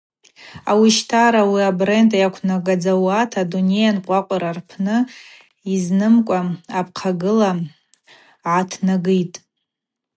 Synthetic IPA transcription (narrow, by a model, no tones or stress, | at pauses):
awiʃtʰaɾawiabre̞ndʼajakʷʰnaɡad͡zawatʰadune̞janqʷʼaqʷʼaɾarpʰnɨ | iznɨmkʷʼaapʰqʰaɡɨla | ʕatʰnaɡɨjtʼ